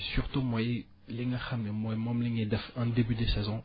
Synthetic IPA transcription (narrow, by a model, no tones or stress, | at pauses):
syʁt̪umwajɛ | lɛŋãxamemwamɔ̃mlɛŋed̪afɛ̃d̪ebyd̪esɛzɔ̃